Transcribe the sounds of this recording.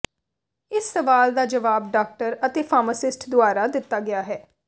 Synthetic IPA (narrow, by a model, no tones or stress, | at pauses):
ɪsːəʋaːld̪aːd͡ʒəʋaːbɖaːk̚ʈəɾət̪eːpʰaːməsɪsʈd̪ʊaːɾaːd̪ɪt̪ːaːɡɪjaːɦɛː